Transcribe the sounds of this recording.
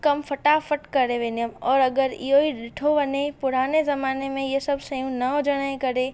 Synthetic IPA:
kɐmfʰɐʈafəʈkɐɾeʋenijəmɔːɾɐɡəɾḭjoːiɖɪʈʰoʋɐnepʊɽ̤aːnezɐmaːnemẽjesɐbsɐjũnɐod͡ʒɐɽ̃aẽkɐɾeː

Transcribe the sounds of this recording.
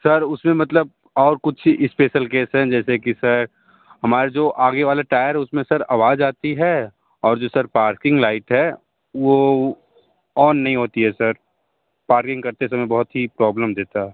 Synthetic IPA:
sɐɾʊsmẽmɐt̪ləb̚ | ɔːɾkʊt͡ʃʰɪspeːʃəlkeːsɦɛ̃d͡ʒɛːsekisɐɾ | ɦɐmaːɾed͡ʒoːʔaːɡeʋaːlaʈaːjəɾɦɛʊsmẽsɐɾa̰ːʋaːd͡ʒaːt̪iɦɛ | ɔːɾd͡ʒoːsɐɾpaːɾkɪ̃ŋɡlaːɪʈɦɛ | ʋo | ɔːnːɐɦĩɦoːt̪iɦɛsɐɾ | paːɾkɪ̃ŋɡkɐɾt̪es̬ɐmjbɐɦʊt̪ɦipɾɔːbləmd̪eːt̪aɦɛː

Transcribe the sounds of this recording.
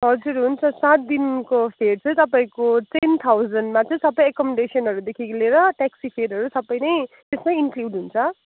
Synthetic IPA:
ɦʌd͡zuɾɦunt͡sʰʌsat̪̚d̪inkopʰeɽ̚t͡sʰʌ̃j̃t̪ʌpaĩkot̪ent̪ʰawd͡zʌnɖmat͡sʌ̃j̃sʌbːʌjekʌmeɖesiʌnɦʌɾud̪ekʰikleɾʌʈaksipʰeɖʌɾusʌbːʌjnʌj | t̪esmainkluɖɦunt͡sʰʌ

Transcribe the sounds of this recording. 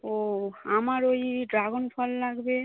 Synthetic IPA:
oamaɾojɖɾaɡonpɔlːaɡbe

